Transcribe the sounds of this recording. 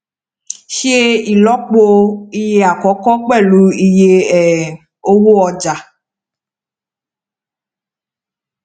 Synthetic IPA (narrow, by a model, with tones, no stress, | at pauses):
ʃi˦e˦i˨lɔ˦k͡po˦i˦je˦a˨kɔ˨˦kɔ˦k͡pɛ˦˨lu˦i˦je˦ɛ˨ | o˦wo˦ɔ˨d͡ʒa˨